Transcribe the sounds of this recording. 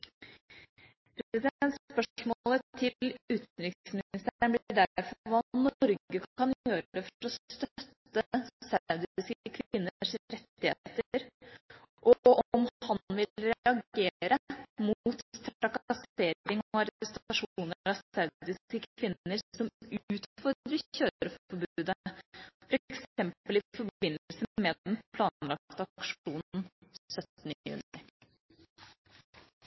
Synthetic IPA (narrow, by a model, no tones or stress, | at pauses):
pʰɾsɛd̪ɛnt̪spœmolət̪ʰɪʉːt̪nɾʏksmɪɪst̪ɳb̪ɖæɾfɔɾʋɑːnɔɾɡəkɑnjøːɾəd̪ɛfɔɾɔst̪œt̪ːəsœʉd̪ɪskəkʰʋɪnːəʂɾɛt̪ːɪhḛt̪əɾ | ʔɔʔɔɔmhɑnʋɪlɾɛɑɡeːɾəmut̪t̪ʰɾɑkɑseːɾɪŋɔɑɾst̪ɑʂuuːnəɾɑsæɾd̪ɪskəkʰʋɪnːəɾsɔmʉːt̪fɔɾd̪ɾəçøːɾəfɔɾbʉːd̪əfɔɾɛksɛmpəlɪfɔɾbɪnːəlsəmɛn̩pʰlɑːnlɑk̚t̪ɑkʂuːnn̩sœt̪nəjʉ̰ːnɪ